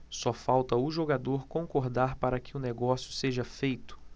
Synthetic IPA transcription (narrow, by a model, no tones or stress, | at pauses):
sɔfawt̪ɐʊʒoɡad̪oɾkõŋkoɾd̪aɾpaɾɐkɪʊneɡɔsjʊseʒɐfejt̪ʊ̥